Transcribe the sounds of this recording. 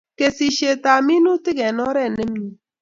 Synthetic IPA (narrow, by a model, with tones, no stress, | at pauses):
ke˨si˨ʃe˨ta˨mi˦nu˦tɪ˦ɡɛ˨nɔ˦ɾɛ˦˨ne˦mni˨